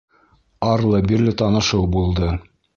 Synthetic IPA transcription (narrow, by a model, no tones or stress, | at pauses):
ɑɾlˠɤbiɾlɘt̪ɑnɤ̆ʃɤwbulˠd̪ɤ